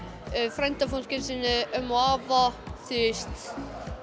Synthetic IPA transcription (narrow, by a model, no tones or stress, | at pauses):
fɾajnt̪afunskɪnsɪnɪœmɔaːvaθɪst̪